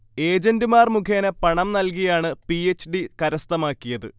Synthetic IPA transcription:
e̞ːd͡ʑɐndɨmaːrmukʰeːnɐpɐɳɐmnɐlk̬ijaːɳɨpiet͡ɕːɖikɐɾɐst̪ɐmaːkːijɐðɨ̰

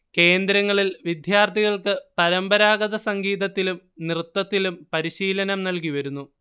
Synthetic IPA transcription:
ke̞ːnd̪ɾɐŋːɐɭilʋid̪jaːrt̪iɣɐɭkɨpɐɾɐmbɐɾaːɡɐðɐsɐŋɡiːðɐt̪ːilum | nrɨt̪ːɐt̪ːilumpɐɾiɕiːlɐnɐmnɐlk̬iʋɐɾunːu

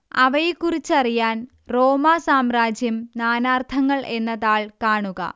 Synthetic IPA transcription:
ɐʋɐjekːurit͡ɕːɐrijaːn | ro̞ːmasaːmraːd͡ʑjɐmnaːnaːrt̪ʰɐŋːɐɭʔe̞nːɐðaːɭkaːɳuɣɐ̰

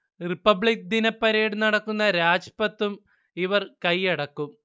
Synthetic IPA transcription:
ripːɐbɭik̚d̪inɐpːɐɾeːɽunɐɽɐkːunːɐɾaːd͡ʑpɐt̪ːum | iʋɐrkɐjɐɽɐkːum

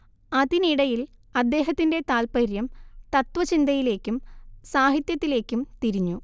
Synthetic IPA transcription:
ɐðiniɽɐjilɐd̪ːe̞ːɦɐt̪ːinde̞t̪aːlpɐɾjɐmt̪ɐt̪ʋɐt͡ɕind̪ɐjile̞ːkʲːumsaːɦit̪jɐt̪ːile̞ːkʲːumt̪iɾiɲːu

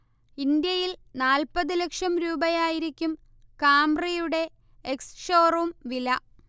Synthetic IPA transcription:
ind̪jɐjilnaːlpɐðɨlɐkʂɐmɾuːbɐjaːjiɾikʲːum | kaːmrijuɽe̞ | eksʂo̞ːrumʋilɐ

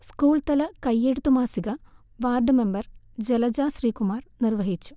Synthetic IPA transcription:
skuːɭt̪ɐlɐkɐjːeɽut̪ːumaːsiɣɐ | ʋaːrɖɨme̞mbɐr | d͡ʑelɐd͡ʑaːsriːkumaːrnirʋɐɦit͡ɕːu̥

